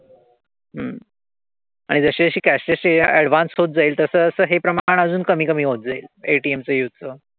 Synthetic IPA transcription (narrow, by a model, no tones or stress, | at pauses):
ɦəm | a̰ɽ̃id͡zəɕeəɕiːkæsʈeɕeæɽʋansɦot̪̚d͡zaiːlt̪əsəːsəːɦepɾəmaɳ̃əd͡zuːnkəmiːkəmiːɦot̪̚d͡zaiːleʈiːemt͡səjut̪̚t͡səː